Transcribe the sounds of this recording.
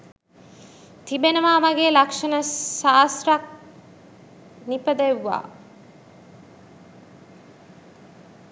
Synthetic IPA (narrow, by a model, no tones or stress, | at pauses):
t̪ibenɐʋaːmɐɡeːlɐkʂɐnɐsaːsɾɐk̚ | nipɐd̪eʋːa̰ː